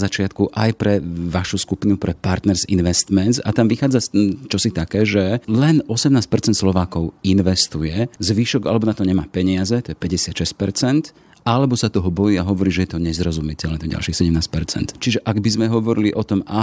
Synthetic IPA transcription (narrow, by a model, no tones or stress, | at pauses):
zat͡ʃɪat̪kuʔajpɾɛʋaʃuskupinupɾɛpaɾt̪nɛɾzḭnʋɛst̪mɛnza̰t̪amʋixaːd͡zat͡ʃɔsit̪akɛːʒɛlɛnɔsɛmnaːsc̚pɛɾt͡sɛnt̪slɔʋaːkɔʊinʋɛst̪ujɛzʋiːʃɔɡalɛbɔnat̪ɔɲɛmaːpɛɲɪazɛt̪ɔjɛpɛɟɛsɪat̪ʃɛsc̚pɛɾt͡sɛnt̪ | alɛbɔsat̪ɔɦɔbɔjiːaɦɔʋɔɾiːʒɛjɛt̪ɔɲɛzɾɔzumit̪ɛɛnɔɟa̰lʃiːxsɛɟɛmnaːscpɛɾt͡sɛ̰nt̪t͡ʃiʒɛʔaɡbizmɛɦɔʋɔɾiliʔɔt̪ɔma